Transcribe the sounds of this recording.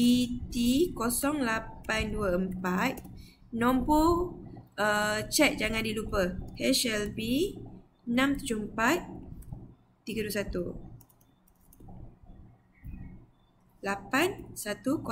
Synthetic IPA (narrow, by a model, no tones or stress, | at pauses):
it̪ikɔsɔŋlapanduəəmpat̪̚ | nɔ̃mpu | ət͡ʃɛt̪̚d͡ʒaŋandilupəhɛʃɛlpi | ənãmt̪ud͡ʒoəmpat̪̚ | iɡəduəsat̪u | lapansat̪uko